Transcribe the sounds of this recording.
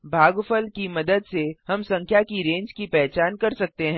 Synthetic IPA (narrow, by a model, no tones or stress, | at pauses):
bʱaːɡfəlkimɐd̪əd̪sehɐmsɐ̃ŋkʰjakiɾẽːɲd͡ʒkipɛɦt͡ʃaːnkɐɾsɐk̚t̪eɦɛ̃ː